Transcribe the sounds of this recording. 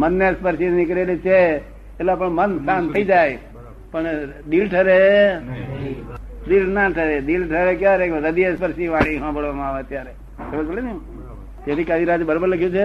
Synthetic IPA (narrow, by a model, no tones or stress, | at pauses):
mənːespəɾʃinikɾelet͡ʃʰeː | lapəɳmənsant̪ʰəid͡ʒaj | pəɳ | ɗilʈʰəɾe | ɗilnaʈʰəɾed̪ilʈʰəɾekjaɾekɾəd̪iespəɾʃiʋãɽ̃ĩɦãbəɽʋamãːʋeət̪jaɾe | kemə̃t͡ʃəlenjũ | t̪aɾikad̪iɾad͡ʒbəɾobəɾləkʰjũt͡ʃʰe